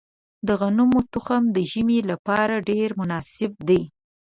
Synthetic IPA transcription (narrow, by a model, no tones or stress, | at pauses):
d̪əɣanumot̪ʊxamd̪əʒəmelapɑɾaɖeɾmʊnɑsɪb̚d̪ej